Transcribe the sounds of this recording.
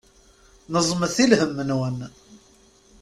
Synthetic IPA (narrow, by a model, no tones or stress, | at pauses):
nəzˤməθilhəmːənwən